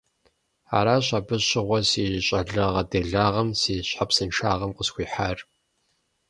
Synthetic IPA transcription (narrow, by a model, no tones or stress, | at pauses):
a̰ːɾaːɕʷʼabɨɕɪʁʷɔsiːɪɕʼɐɮɐʁɐdeːɮaːʁɐmsiːɕħapsɨnʈ͡ʂʰaːʁɐmqəsxʷiːħaːr